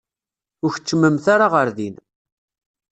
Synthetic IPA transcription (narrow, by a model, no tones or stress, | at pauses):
ʊɾç̥t͡sːməmθaɾaʁəɾðin